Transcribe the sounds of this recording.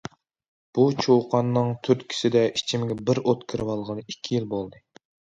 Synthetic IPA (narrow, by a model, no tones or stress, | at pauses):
b̥ut͡ʃʰowqʰɑnːɨŋt̪ʰyɾt̪kʲʰi̥sɪd̪ɛit͡ʃʰimɪɡʲɛbɪɾot̪kʲʰɪɾɪwɑlˠʁənɨikʲʰːijilbolˠd̪ɨ